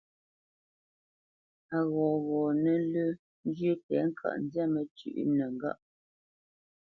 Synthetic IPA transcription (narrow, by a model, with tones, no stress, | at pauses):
a˨ɣɔ̃ː˨ɣɔ˨nə˦lə˦ | n˦djə˦tɛ˨˦ŋ̩˦kʰa̰˨ʔn̩˦dja˦mə˨t͡ʃʉ̰˦˨ʔnə˨ŋ˨ɡa̰˦˨ʔ